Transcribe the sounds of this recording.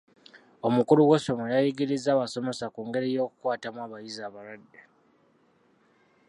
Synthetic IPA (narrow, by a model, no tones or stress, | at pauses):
o̞mukuluwe̞so̞mojajiɡiɾizaːβaso̞me̞sakuːŋɡe̞ɾijo̞ːku̥kwaːtamwaːβajizaːβalwadːe